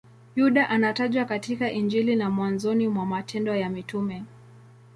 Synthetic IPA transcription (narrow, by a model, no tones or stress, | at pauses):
juɗaʔanataʄwakatikaʔind͡ʒilinamwanzɔnimwamatʰɛndɔjamitumɛ